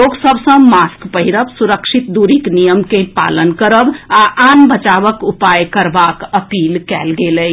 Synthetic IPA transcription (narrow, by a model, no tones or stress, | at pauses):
oɡsəbʱsə̃maskpəɦiɾəbsuɾəkʃʰit̪̚d̪uɾiknijəmkepa̰lənkəɾəbaʔanbət͡ʃabəkupajkəɾbakəpilkɛlɡeləj